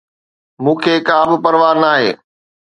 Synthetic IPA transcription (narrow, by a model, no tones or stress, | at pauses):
mũːkʰeːkaːbɪpɐɾʋaːɾnaːɦḛː